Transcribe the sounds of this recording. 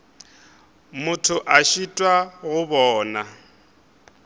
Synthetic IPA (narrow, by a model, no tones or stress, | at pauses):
mʊtʰʊʔaʃitʼwaɣʊbɔːna